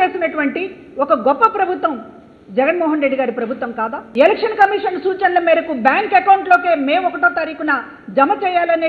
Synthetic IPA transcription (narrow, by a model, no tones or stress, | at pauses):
eːsinɐʈuʋɐɳʈi | ɔkɐɡɔpːɐpɾɐbʱut̪ʋɐm | d͡ʒɛɡɐnmɔːɦɐnɾe̞ɖːiɡaːɾipɾɐbʱut̪ʋɐmkaːd̪aːelɛkʂɐnkɐmiːʂɐnsuːt͡ʃɐnlɐmiːɾɐkubjaːŋkekɐwɳʈlo̞ːke̞ːmeːmɔkɐʈoːt̪ɐɾiːkuna | d͡ʒɐmɐt͡ʃɛːjaːlɐne